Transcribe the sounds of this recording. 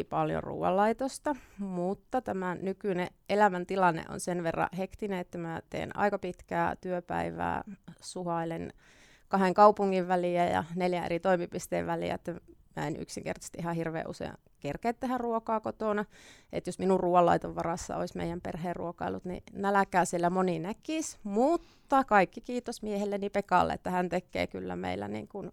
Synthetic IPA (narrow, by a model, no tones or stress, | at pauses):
pɑljo̰rṵːʋɑ̰lːɑit̪ost̪ɑmut̪ːɑt̪æmænykyneʔelæmænt̪ilɑnːḛʔo̰nsenʋerːɑ̰hekt̪ineet̪ːæmæt̪ḛːnɑ̰ikɑpit̪kæːt̪yøpæ̰iʋæ̰ːsuhɑilen | kɑheŋkɑupuŋːiʋʋæliæjɑ̰neljæḛrit̪oimipist̪eːʋʋælḭæ̰et̪ːæmæ̰enʔy̰ksiŋkḛrt̪ɑst̪ihɑhirʋḛːʔusḛɑ̰ | kerkeːt̪t̪ːehærruokɑːkot̪onɑḛt̪josminurruːɑlːɑ̰it̪oʋʋɑrɑsːɑ̰o̰ismḛijæmperheːrrṵokɑilːut̪nḭnælækæːsielːæmoninækismut̪ːɑkɑikːikiːt̪osmiehelːennipekɑ̰lːḛḛt̪ːæhænt̪ekːḛːkylːæ̰mḛilːæ̰nḭːŋkun